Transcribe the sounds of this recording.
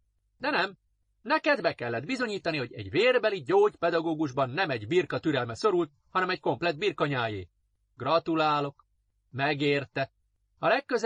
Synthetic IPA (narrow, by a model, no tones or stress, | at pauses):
d̪ɛnɛm | nɛkɛd̪bɛkɛlːɛd̪̚bizo̞ɲiːt̪ɒniho̞ɟɛ̰ɟveːrbɛliɟoːɟpɛd̪ɒɡoːɡuʒbɒnːɛmɛɟbirkɒt̪yɾɛlmɛso̞ɾult̪̚hɒnɛmɛcko̞mplɛd̪̚biːrkɒɲaːjḛː | ɡ̥rɒt̪ulaːlo̞k | mɛɡeːrt̪ɛ | ɒlɛkːøz